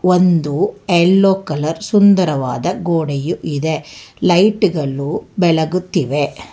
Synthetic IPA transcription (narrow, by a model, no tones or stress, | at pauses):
ond̪ueɭːoːkɐlɐɾsund̪ɐɾɐʋaːd̪ɐɡoːɽejuʔid̪e̞lɐjʈiɡɐɭːubɛlɐɡut̪ːiʋe̞